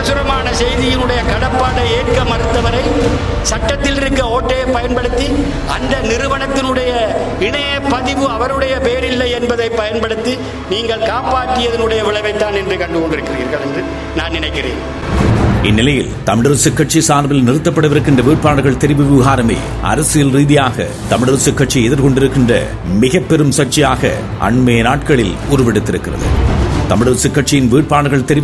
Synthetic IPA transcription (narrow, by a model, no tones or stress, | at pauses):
ɐɐsʊɾɐmaːnɐsɛjðɪjɪnɯɽɐjɐkɐɽɐpːaːɽɐeːʈkɐmɐɾɯt̪ːɐʋɐɾɐɪ | sɐʈːɐt̪ːɪlɪɾɯkːɐoːʈːɐjɐpːɐjɐnpɐɽɯt̪ːi | ɐnd̪ɐnɪɾɯʋɐɳɐt̪ːɪnɯɽɐjɐ | ɪɳɐjɐpːɐðɪʋɯɐʋɐɾɯɽɐjɐpeːɾɪlːɐjɛnbɐðɐɪpːɐjɐnpɐɽɯt̪ːi | niːŋɡɐɭkaːpaːʈːɯjɐðɐnɯɽɐjɐʋɪɭɐʋɐɪt̪ːaːnɛndrɯkɐɳɖɯkɔɳɖɪɾɯkːɪrḭːɾɣɐɭɛndrɯ | naːnnɪnɐɪkːɪrḛːn | ɪnːɪlɐjɪ̰lt̪ɐmɪɽɐɾsɪkːɐʈ̚t͡ʃisaːɾbɪlnɪɾɯt̪ːɐpːɐɽɐʋɪɾɯkːɪndrɐʋiːʈ̚paːɽɯɣɐɭt̪ɛɾɪbɯʋɪɣaːɾɐmḛː | ɐ̰ɾɐsɯjɪlɾiːðɪjaːɣɐ̰ | t̪ɐmɪɽɐɾsɪkːɐʈ̚t͡ʃiɛðɪɾkɔɳɖɪɾɯkːɪndrɐ̰ | mɪɣɐpːɛɾɯmsɐʈ̚t͡ʃɪjaːɣɐ̰ | ʔɐ̰ɳmeːnaːʈkɐɭɪlʊɾʊʋpɛɽɯt̪ːɪɾɯkːɪrɐ̰ðɯ̰t̪ɐmɪɽɐɾsɪkːɐʈt͡ʃːɪjɪnʋiːʈ̚paːɽɐɣɐɭt̪ɛɾɪ